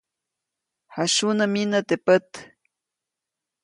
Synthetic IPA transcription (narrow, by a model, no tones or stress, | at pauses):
haʃunəminət̪epət̪